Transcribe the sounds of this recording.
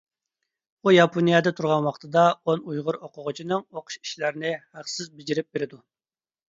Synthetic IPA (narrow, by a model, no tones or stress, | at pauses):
ujɑpʰonijɑd̪ɛt̪ʰuɾʁɑnwɑχt̪ʰɨd̪ɑonujʁʊɾoqʰʊʁʊt͡ʃʰinɨŋoqʰʊ̥ʃi̥ʃlæɾɪnɪhæqsɪzbɪd͡ʒiɾɪp̚beɾɪd̪u